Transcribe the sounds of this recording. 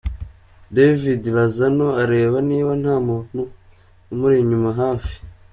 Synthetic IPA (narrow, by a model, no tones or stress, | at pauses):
devidiɾazano̞aɾe̞ːβaniːβan̥haːmonu | umuɾiɲumaɦaːfi̥